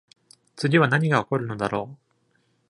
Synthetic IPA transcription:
t͡sɨɡʲiβanaɲ̟iɡaoko̞ɾɯ̟no̞d̪aɾo̞ː

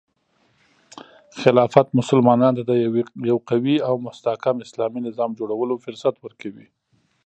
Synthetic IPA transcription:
xɪlɑfat̪mʊsʊlmɑnɑnt̪ad̪əjawqawiawmʊst̪ahkamɪslɑminɪzɑmd͡ʒoɽawəlofʊɾsat̪wəɾkʰawi

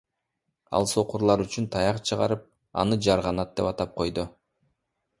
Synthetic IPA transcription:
ɑ̰lˠso̞quɾlˠɑɾyt͡ʃynt̪ʰɑjɑqt͡ʃʰɯʁɑ̰ɾɯp̚ | ɑ̰nɯd͡ʒɑɾʁɑnɑt̪̚d̪̥e̞pɑt̪ɑp̚qʰo̞jd̪ʊ

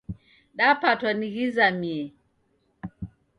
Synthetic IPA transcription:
ɗapatwaniɣizamiɛ

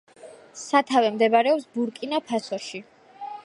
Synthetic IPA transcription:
sat̪ʰavɛmd̪ɛbaɾɛɔpsbuɾkʼinapʰasɔʃi

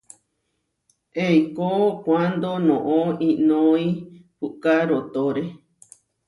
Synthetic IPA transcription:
ʔejkokʷand̪onõʔõĩnõĩpukaɾot̪oɾe

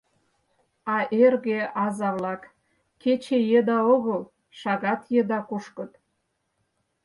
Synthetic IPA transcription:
ɑʔerɣeɑzɑβlɑkː | et͡ɕejed̪ɑoɣəl | ʃɑɣɑt̪jed̪ɑkuʃkə̆t̪

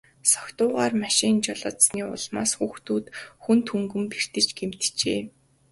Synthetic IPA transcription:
sɔkt̪ʊːʁaːrmaʃɪnt͡ɕɔɮɔ̆ːt̪sniːʊ̰ɮma̰ːsxuːxt̪uːt̪xunt̪ʰuŋɡɘ̆mper̥t̪ɘ̆t͡ɕɡem̥t̪t͡ɕeː

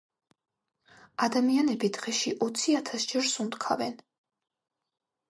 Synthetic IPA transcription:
ad̪amianɛbid̪ʁɛʃiʔɔt̪sʰiat̪ʰasd͡ʒɛɾsund̪kʰa̰vɛn

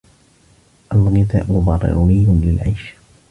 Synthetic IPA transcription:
ʔalɣɪd̪a̰ːʔmʊd̪ˤɑrˤːɪ̰ɾnɪjʊnlɪlʕajʃ

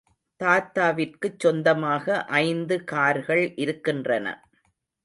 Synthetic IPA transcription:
t̪aːt̪ːaːʋɪrkɯt͡ʃːɔnd̪ɐmaːɣɐʔɐɪnd̪ɯkaːɾɣɐɭʔɪɾɯkːɪndrɐnɐ̰

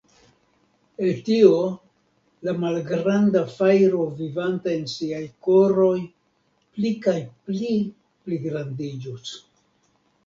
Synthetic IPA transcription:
eltio̞ | lamalɡɾandafajɾo̞vivantae̞nsiajko̞ɾo̞j | plikajpli | pliɡɾandid͡ʒus

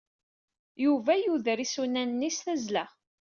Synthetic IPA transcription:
juvæjuðɾisunænːisθæzlæ

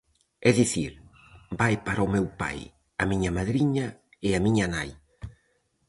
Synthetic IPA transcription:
ɛðiθiɾ | bajpaɾaomɛwpa̰j | ɐmiɲɐmaðɾiɲɐ | ɪɐmiɲɐnaj

